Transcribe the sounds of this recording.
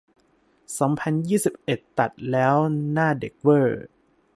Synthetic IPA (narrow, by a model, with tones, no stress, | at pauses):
sɔː˩˦ŋpʰa˧njiː˥˩si˨˩p̚ʔe˨˩t̪ːa˨˩t̪̚lɛː˦˥wnaː˥˩de˨˩k̚wɤː˥˩